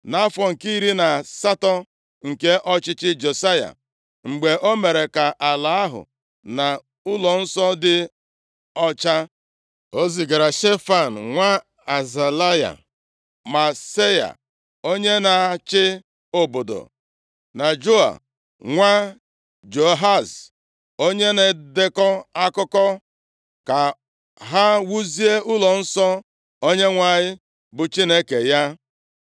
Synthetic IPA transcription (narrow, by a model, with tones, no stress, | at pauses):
na˦fɔ˨ŋ̩˨ki˦i˦ɾi˦na˨sa˦tɔ˦ | ŋ̩˨ke˦ʔɔ˦t͡ʃɪ˦t͡ʃɪ˦d͡ʒe˨sa˦ja̰˨ | ŋ͡m̩˨ɡ͡be˨ʔo˦me˨ɾe˨ka˨ʔa˨la˨˦a˦ɦʊ̰˨ | na˨ | ʊ˦lɔ˨n̩˦sɔ˦dɪ˦ | ɔ˦t͡ʃa˦ | o˦zi˨ɡa˨ɾa˨ʃe˦fa˨n̩˨ŋʷa˦ | a˨za˨la˦ja̰˨ | ma˨se˦ja̰˨ | o˦ɲe˦na˨t͡ʃɪ˦ | o˦bo˨do̰˨ | na˨d͡ʒo˦a̰˨ | ŋʷa˦ | d͡ʒo˨ɦa˦˨s | o˦ɲe˦ne˨dɪ˦kɔ˦a˦kʊ˦kɔ˦ | ka˨ | ɦa˦wu˦zi˦e˦ʊ˦lɔ˨n̩˦sɔ˦ | o˦ɲe˦ŋʷa˨ɲɪ˦ | bʊ˨t͡ʃi˦ne˦ke˨ja˦